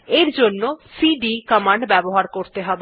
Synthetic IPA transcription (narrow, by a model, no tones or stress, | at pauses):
eɾd͡ʑonːosiɖikɔmaɳɖbɛboɦaɾkoɾt̪eɦɔbe